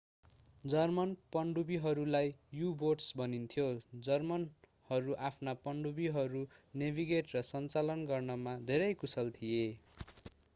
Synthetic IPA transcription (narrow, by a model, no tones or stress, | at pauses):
d͡zʌrmʌnpʌɳɖubiɦʌɾulajjuboʈsbʱʌnint̪ʰjod͡zʌrmʌn | hʌɾuʔapʰnapʌɳɖubiɦʌɾunebʱiɡeʈrʌsʌnt͡salʌnɡʌrnʌmad̪ʱeɾʌjkusʌlt̪ʰije